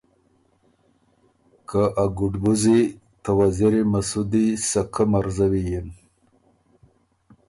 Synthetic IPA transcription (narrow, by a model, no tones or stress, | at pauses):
kʰaʔaɡʊɖbuzi | t̪awaziɾimasud̪isakʰamaɾzawijin